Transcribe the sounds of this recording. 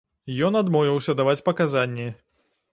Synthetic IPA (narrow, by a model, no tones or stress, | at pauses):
jɔnad̪mɔvʲiwsʲɐd̪avat͡sʲpɐkazanʲːɛ